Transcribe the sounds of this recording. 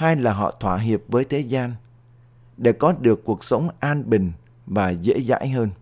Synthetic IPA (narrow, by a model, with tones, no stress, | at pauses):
haː˧jlaː˨˩ɦɔ̰˧˨t̪ʰwaː˧˨ɦi˨˩əp̚vəː˨˦jt̪ʰe˨˦zaː˧n | ɗe˧˩kɔ˨˦ɗɨ˨˩əkːu˨˩ək̚sə˨˦wŋ͡mʔaː˧nɓï˨˩ŋ̟ | vaː˨˩zḛ˧˥za̰ː˧˥jɦəː˧n